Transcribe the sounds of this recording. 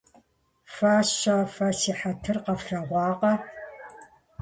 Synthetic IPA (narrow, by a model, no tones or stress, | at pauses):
faːɕaːfɐsiːħatʰɨrqɐfɬɐʁʷɑːqɐ